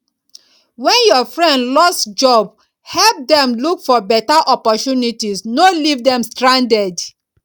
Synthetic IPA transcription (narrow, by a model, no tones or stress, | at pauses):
wɛ̃njɔfɹɛ̃ndlɔstd͡ʒɔb | hɛlp̚dɛ̃mlukfɔbɛtaʔɔpɔtunitisnolivdɛ̃mstɹãndɛd